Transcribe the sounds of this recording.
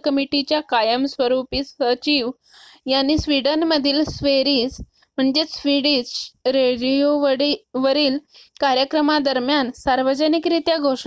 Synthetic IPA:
kəmiʈit͡ɕjakajəmsʋəɾupiːsət͡ɕiʋ | jañisʋiɖənməd̪ʱiːlsʋeɾiːs | m̤əɳd͡zesʋiɽisɾeɽijoʋəɽiʋəɾiːlkaɾjəkɾəmad̪əɾmjansaɾʋəd͡ʑənikɾit̪jaɡʱoʂ

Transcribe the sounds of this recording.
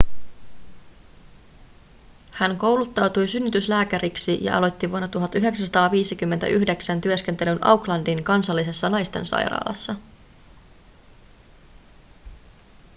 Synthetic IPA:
hænko̞wlut̪ːɑwt̪ujsynːyt̪yslæːkæɾiksijɑ̰ʔɑ̰lo̞t̪ːiʋuonːɑt̪uɦɑt̪ːyɦe̞ksæsɑt̪ɑːʋiːsikymːent̪æ̰ʔyçde̞ksænt̪yøsk̟ent̪e̞lynʔɑ̰wklɑndiŋkɑnsɑlːise̞sːɑnɑjst̪e̞̰nsɑ̰jɾɑ̰ːlʔɑ̰sːɑ

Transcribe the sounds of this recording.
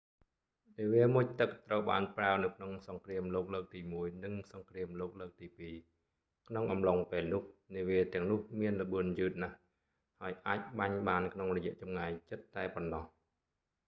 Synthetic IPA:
niəʋiəmuc̚t̪ɨk̚t̪rəwɓaːnpraənɨwkʰnoŋsɑŋkriəmloːk̚ləːk̚t̪iːmuəjnɨŋsɑŋkriəmloːk̚ləːk̚t̪iːpiː | kʰnoŋʔɑmloŋpeːlnʊ̆əhniəʋiət̪ɛ̆əŋnʊ̆əhmiənlə̆ɓɨənjɨːt̪̚nah | haəjʔaːc̚ɓaɲɓaːnkʰnoŋrɔjɛ̆əʔt͡ɕɑmŋajt͡ɕɨt̪ːaɛponːɑh

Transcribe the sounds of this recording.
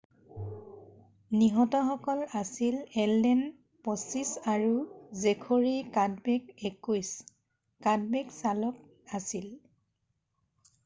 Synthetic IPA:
niɦɔtɔxɔkɔlasilɛldɛn | pɔsisaɹuzekʰoɹikadbɛkekujs | kad̚bɛksalɔk | asil

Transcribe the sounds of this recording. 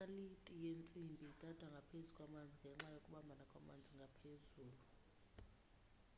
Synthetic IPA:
alitʼijent͡sʼimbʱitʼad̥ʱwaŋɡʱapʰezukʼwamand͡zʱiŋɡʱɛŋ͡ǁajokʼuɓambʱanakʼwamand͡zʱiŋɡʱapʰezuːlu

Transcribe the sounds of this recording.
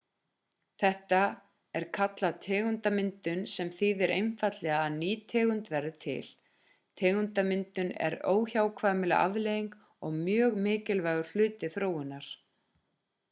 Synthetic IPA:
θɛht̪a | ɛɾ̥kʰat̪lat̪ʰɛːɣʏnt̪amɪnt̪ʏnsɛmθiðɛɾʔejnfat̪lɛɣaːðniːt̪ʰɛːɣʏnt̪vɛɾːat̪ʰɪ̰l | t̪ʰɛːɣʏnt̪amɪnt̪ʏnɛ̰ɾoːwçawkʰvaːmɪla̰ʔa̰vleːjiŋk | ɔɣmjœːɣmɪːcɪlvaːɣʏɾ̥l̥ʏːt̪ɪθɾoːwʏnːaɾ̥

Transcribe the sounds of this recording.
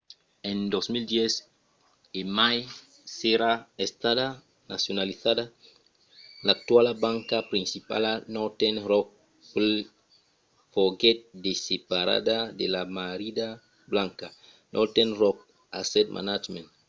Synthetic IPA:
ẽnd̪osmild̪jɛs | emaj | seɾaest̪aða | nasjonaliθada | lak̚t̪walabãŋkapɾĩnsipa̰lanɔt̪enɾɔk̚ | pel | foɡɛt̪̚d̪esepaɾa̰d̪ad̪elamaɾid̪a | blãŋka | nʔot̪enrɔk̚ | asɛt̪̚mʔa̰nad͡ʒmẽnt̪

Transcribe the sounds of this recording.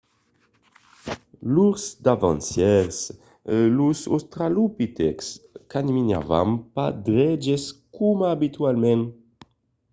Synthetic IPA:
luɾsd̪avɑ̃nsjɛɾs | luso̰st̪ɾalupit̪ɛ̰kskanimina̰va̰mpad̪ɾɛd͡ʒeskumaːbit̪walmɛn

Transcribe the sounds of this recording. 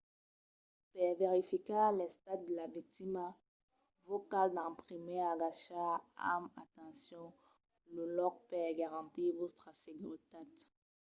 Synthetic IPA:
pɛveʁifikalɛst̪at̪̚d̪əlavik̚t̪ima | vokald̪ɛ̃pχimeaɡaʃaa̰ma̰t̪ɑ̃sjɔ̃ | lulɔk̚pɛɡaʁɑ̃t̪ivost̪χaseɡyʁt̪at̪

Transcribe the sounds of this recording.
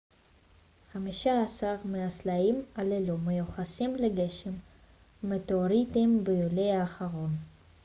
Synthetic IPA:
χamiʃaːsaʁmeaslaimalelumejuχasimleɡeʃemː | et̪eoɾit̪imbejulejaːχaʁo̞n

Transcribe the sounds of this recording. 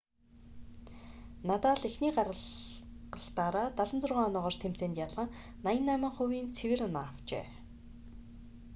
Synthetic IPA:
nat̪aːɮexniːɢaɾə̆ɮɢə̆ɬt̪aːɾaːt̪aɮə̆nt͡sʊrʁaːŋɔnɔːʁɔːr̥t̪ʰem̥t͡seːnt̪jaɮə̆ŋ | najə̆nːæːmə̆ŋχʊwiːnt͡sʰewɘ̆rnawt͡ɕḛː

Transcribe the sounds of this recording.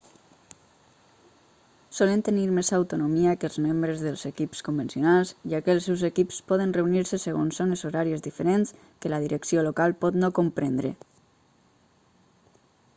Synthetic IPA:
sɔlənt̪əniɾmezawt̪unomiakəlˠzmembɾəzðəlˠzekipskombensionalˠzʒakəlˠsewzekipspɔðənreuniɾsəsəɣ̞onsːonəzoɾaɾiezðifeɾens | kələðiɾəksiolokalˠpɔt̪nokompɾend̪ɾḛ

